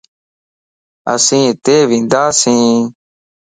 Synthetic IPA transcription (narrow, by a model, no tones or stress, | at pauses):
ə̰sĩːt̪eːʋĩːnd̪aːsĩː